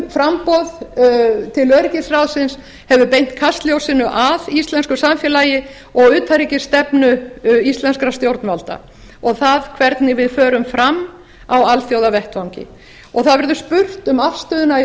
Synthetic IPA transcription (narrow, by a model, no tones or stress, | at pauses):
fɾampɔð | t̪ʰɪlœːðɾɪcɪsrawðsɪns | hɛvʏpejn̥t̪̚kʰast̪ljowsɪnʏʔaðist̪lɛnskʏsamfjɛlaːjɪ | ɔɣʏːt̪ʰaɾicɪ̥st̪ɛpnʏist̪lɛnskɾast̪jowɾt̪nvalt̪a̰ | ɔɣθaðkʰvɛɾt̪nɪvɪðfœːɾʏmfɾamː | awalθjowðavɛht̪fawɲcɪ̰ | ɔɣθaðvɛɾðʏspʏr̥t̪ʏmafst̪ʏːðʏna